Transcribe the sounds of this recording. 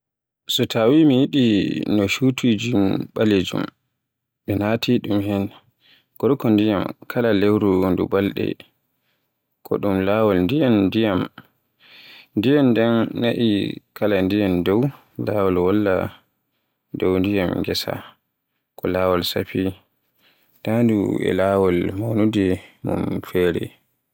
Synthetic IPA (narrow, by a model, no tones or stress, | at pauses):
sɔtʰawimijiɗinɔʃutʰud͡ʒinɓaled͡ʒṵm | ɓɛnatʰiɗumhɛn | ɡ̥ɔɾkɔndijamkʰalalewɾundṵbalɗɛ̰ | kʰɔ̰ɗumlawɔlndijandijam | ndijandɛnnaʔḭkʰalandijandɔw | lawɔlwɔlːa̰ | dɔwndijamŋɡɛsa̰ | kɔlaːwɔlsa̰pi | tandṵɛ̰laːwɔlmawnudɛmṵmfɛːɾɛ̰